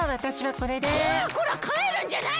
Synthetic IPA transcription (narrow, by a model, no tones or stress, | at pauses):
βat̪aɕiβako̞ɾe̞d̪eakoɾakʰaeɾɯ̟̃ɲd͡ʑana